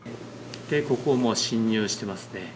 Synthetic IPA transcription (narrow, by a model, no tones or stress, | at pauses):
t̪e̞ko̞komo̞ːɕĩɲ̟ːjɨːɕi̥t̪e̞masɨ̥ne̞